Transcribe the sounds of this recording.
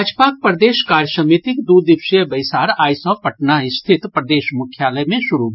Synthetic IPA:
ad͡ʒpak̚pɾəd̪eːʃkaɾjəsəmit̪ikd̪ud̪iʃəbəjsaːɾaːjsɔpəʈnaɪst̪ʰit̪pɾəd̪eːʃmʊkʰjaləjmẽʃuɾu

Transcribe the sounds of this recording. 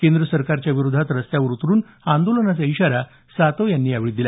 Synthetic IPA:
kend̪ɾəsəɾkaɾt͡ɕjaʋiɾud̪ʱat̪ɾəst̪jauɾut̪ɾuːn | and̪olənat͡saiɕaɾa | sat̪ojanːiːaʋiɭid̪ila

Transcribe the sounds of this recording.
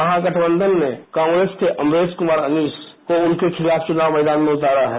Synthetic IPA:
ɐɦãɡɐʈʰbə̃nd̪ʱənːekãːŋɡɾeːskeʔɐmɾeːzkʊmaːɾɐniːs | koʊnkexʰɪlaːft͡ʃʊnaːwmɛːd̪aːnmẽʊt̪aːɾaɦɛː

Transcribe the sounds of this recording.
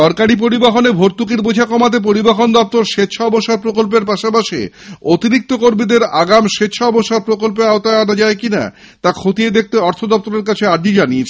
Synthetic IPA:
ɔɾkaɾip̬oɾibaɦonebʱoɾt̪ːukiɾbod͡ʑʱakɔmat̪̬ep̬oɾibaɦond̪ɔp̚t̪oɾʃet̪ːʃʰaɔboʃaɾpɾokolp̬eɾpaʃapaʃḭot̪iɾik̚t̪okoɾmid̪eɾaɡamʃet̪ːʃʰaɔboʃaɾpɾokolp̬eaot̪aeanad͡ʑaekina̰ | t̪akʰot̪ied̪ek̚ʰt̪eɔɾt̪ʰod̪ɔp̚t̪oɾeɾkat͡ɕʰeaɖid͡ʑaniet͡ɕʰ

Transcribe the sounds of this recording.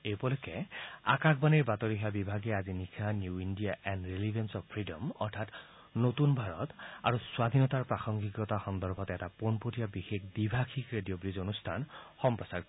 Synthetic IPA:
ejpɔlɔkɛa̰kakbaniɹbatɔɹiɦabibʱaɡiazinikʰanjuindijaʔɛnɹelibɛnsɔppʰɹidɔmɔ̰ɹtʰat | notunbʱaɹɔta̰ɹuswad̪ʱinɔtaɹpɹaxɔŋɡikɔtaxɔnd̪ɔɹbʱɔtɛtaponpotijabixekbibʱaxʰikɹedijobɹizonustʰanxɔmpɹɔsaɹk

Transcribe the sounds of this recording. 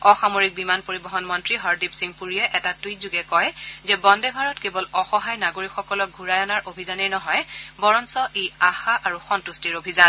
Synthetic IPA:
ɔxamoɹik̚bimanpoɹibɔɦɔnmɔntɹiɦɔɹdipsiŋpuɹijɛʔɛtatutzuɡɛkɔjzɛbɔndɛbʱaɹɔtkebɔlɔxɔɦajnaɡoɹikxɔkɔlɔk̚ɡʱuɹajɔnaɹʔobʱizaneɹnɔɦɔjbɔɹɔnsɔʔeaxaʔaɹuxɔntustiɹobʱizan

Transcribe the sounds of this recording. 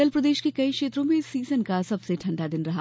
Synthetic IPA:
əlpɾɐd̪eːʃkekɐikʃeːt̪ɾõmẽsiːzənkasɐbseʈʰɐ̃ɳɖad̪ɪnɾɐɦa̰ː

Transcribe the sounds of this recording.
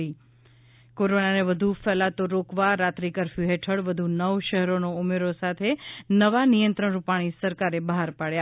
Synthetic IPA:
i | koɾonaneʋəd̪ʱufɛlat̪oɾokʋaɾat̪ɾikəɾfjuɦeʈʰəɽʋəd̪ʱunəʋʃɛɦɛɾonoumeɾosat̪ʰenəʋanijə̃nt̪ɾəɳ̃ɾupaɽ̃isəɾkaɾebəɦaɾpaɭja

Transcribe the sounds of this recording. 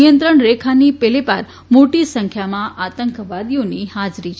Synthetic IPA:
ijənt̪ɾəɳɾekʰanipelepaɾ | moʈisə̃ŋkʰjamãʔat̪əŋkʋad̪ionihad͡ʒɾit͡ʃʰ

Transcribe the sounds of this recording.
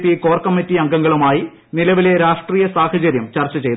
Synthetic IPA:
pːiko̞ːrkɐmːitːiɐŋɡɐŋɡɐɭumaːji | nilɐʋile̞ɾaːʂʈriːjɐsaːhɐt͡ɕɐɾjɐmt͡ɕɐrt͡ɕːɐt͡ɕejt̪

